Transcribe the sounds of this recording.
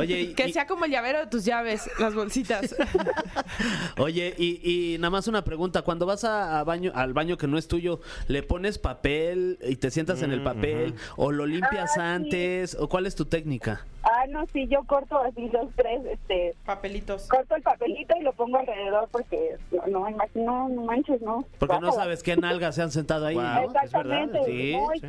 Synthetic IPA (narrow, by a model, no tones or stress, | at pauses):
oʝekesseako̞mo̞elʝaβe̞ɾoðet̪uzʝaβ̞e̞slazβo̞lsit̪as | oʝe̞ʔiʔinamasunapɾe̞ɣunt̪akwand̪o̞βasaːβaɲoʔalβaɲo̞ke̞no̞e̞st̪uʝo̞ | le̞po̞ne̞spapelit̪e̞sje̞nt̪ase̞ne̞lpapelo̰lo̞limmpjasant̪esokwale̞st̪ut̪e̞knikaanosiʝo̞koɾt̪oasilost̪ɾesest̪epapelit̪oskoɾt̪oelpape̞lit̪o̞ilo̞poŋɡoalre̞ðe̞ðo̞ɾpo̞ɾken̰noimaxinomãnt͡ʃesnopoɾkenosaβeskenalɣaseans̬ent̪að̞oaiɡaesakezt̪eɾðmeãnesij